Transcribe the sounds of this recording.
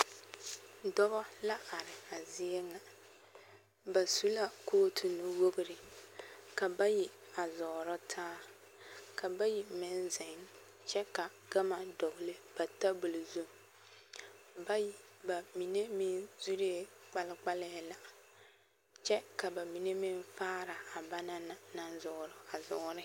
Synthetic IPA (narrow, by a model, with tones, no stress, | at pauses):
dɔ˦ɣɔ˦la˦a˨ɾɪ˨a˨zɪ˦e˦ŋa˨ | ba˨su˦la˦kʰoː˦tʰu˨nu˦wo˦ɡɾɪ˨ | ka˨ba˦ji˨ | a˨zɔː˨ɾɔ˦tʰaː˦ | ka˨ba˦ji˨mɛ˦nzɛ˨˦n | t͡ʃɛ˦ka˨ | ɡ̥a˦ma˨dɔ˨ɡle˦b̥a˨ta˦bu˨lzu˦m | ba˦ji˨ | ba˨mi˨ne˦mi˦nzu˦ɾi˦e˨k͡pa˦lk͡pa˦lɪ˦˨la˨ | t͡ʃɛ˦ka˨ba˨mi˨ne˦mi˦n˦faː˦ɾa˨a˨ba˦na˦na˨na˦nzɔː˨ɾɔ˨a˨zɔ˦ɾɪ˦